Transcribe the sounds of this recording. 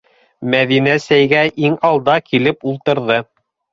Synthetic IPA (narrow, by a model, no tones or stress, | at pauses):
mæðinæsæjɡæʔiŋɑlˠd̪ɑkʰilɘpulˠt̪ɤ̆ɾðɤ